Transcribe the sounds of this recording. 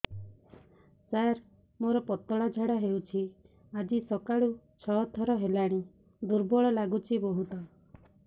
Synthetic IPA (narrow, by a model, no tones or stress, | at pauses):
saɾ | moɾɔpɔt̪ɔɭad͡ʒʱaɽaɦewt͡ʃʰi | ad͡ʒisɔkaɭu | t͡ʃʰɔt̪ʰɔɾɔɦelaɽ̃i | d̪uɾbɔɭɔlaɡut͡ʃʰibɔɦut̪ɔ